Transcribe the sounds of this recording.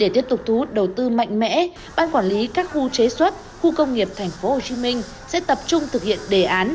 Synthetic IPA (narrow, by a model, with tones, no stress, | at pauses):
ɗe˧˩t̪i˦˥əp̚t̪ʊ˨˩k͡p̚t̪ʰu˨˦u˦˥t̚ɗə˨˩wt̪ɨ˧ma̰˧˨jŋ̟mɛ̰˧˥ | ɓaː˧nkwaː˧˩nli˨˦kaː˦˥k̚xu˧t͡ɕe˨˦swə˦˥t̚ | xu˧kə˧wŋ͡mŋi˨˩əp̚t̪ʰɛ˨˩jŋ̟fo˨˦ho˨˩t͡ɕi˨˦mï˧ŋ̟ | sɛ̰˧˥t̪ə˨˩p̚t͡ɕʊ˧ŋ͡mt̪ʰɨ˨˩k̚hḭ˧˨ənɗe˧˨˩ʔaː˨˦n